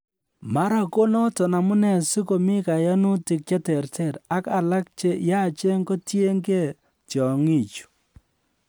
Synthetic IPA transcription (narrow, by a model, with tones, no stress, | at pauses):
ma˦ɾa˨ko˦nɔ˦tɔ˨na˨mu˦nɛ˨si˦ko˨mi˦ka˨ja˦nu˦ti˨k̚t͡ʃa˦tɛ˨rtɛ˦˨ɾa˦ka˨la˦k̚t͡ʃe˦ja˦t͡ʃe˦ŋɡo˦tje˦ŋɡe˦˨ | tjɔ˨ŋi˦˨t͡ʃu̥˨